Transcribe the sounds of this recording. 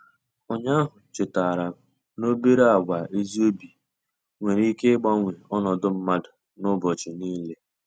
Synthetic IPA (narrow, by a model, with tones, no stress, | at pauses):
ɔ˦ɲa˦ɦʊ˨t͡ʃɪ˨ta˨ɾa˨ | no˦be˦ɾa˦a˨wʷa˨ʔe˦zi˦o˦bi˨ | ŋʷe˨ɾi˦ke˦ɡ͡ba˦ŋʷe˨ɔ˦nɔ˨dʊ˦m̩˦ma˦dʊ˨ | nʊ˦bɔ˨t͡ʃɪ˨niː˦le˦